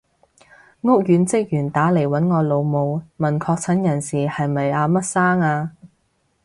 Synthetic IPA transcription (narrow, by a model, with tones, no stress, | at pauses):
ŋʊ˥k̚jyː˨˥nt͡sɪ˥k̚jyː˨˩nt̪aː˨˥le˨˩jwɐ˨˥nŋɔː˨˧lo˨˧wmo˨˧wmɐ˨˩nkʰɔː˧k̚t͡sʰɐ˨˥njɐ˨˩nsiː˨hɐ˨jmɐ˨jaː˧mɐ˥t̚saː˥ŋaː˧